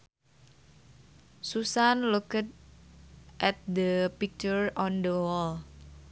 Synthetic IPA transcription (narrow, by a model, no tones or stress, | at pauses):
susanlukət̪̚ | ʔɛt̪̚d̪əpik̚t͡ʃɔɹɔnd̪əwɔl